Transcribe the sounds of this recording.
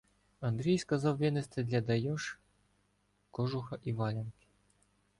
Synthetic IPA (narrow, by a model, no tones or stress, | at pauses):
ɐnd̪ɾʲijskɐzɑwʋʲɛnɪst̪ɛd̪lʲɐd̪ɐjɔʃ | kɔʒʊxɐʔiʋɑlʲɐnkʲi̥